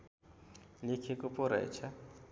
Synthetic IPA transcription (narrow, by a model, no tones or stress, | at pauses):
likʰikʼʊpʼʊɾɛ̰t͡ʃʰa